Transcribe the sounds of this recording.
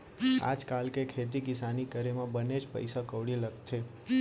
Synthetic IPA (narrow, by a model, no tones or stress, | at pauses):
a̰d͡ʒkalkekʰet̪ikɪsanikəɾemãbəned͡ʒpə̰jsakəʋɽiləkt̪ʰe